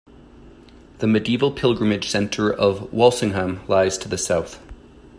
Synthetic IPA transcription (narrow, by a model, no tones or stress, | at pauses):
ðɨmɨdivl̩ˠpʰɪlˠɡɹɨ̃mɨd̥ʒ̥sɛ̃ntʰə˞ʔʌvwɔlˠsɪ̃ŋɦæ̃mlaɪz̥tʰɨðɨsaʊθ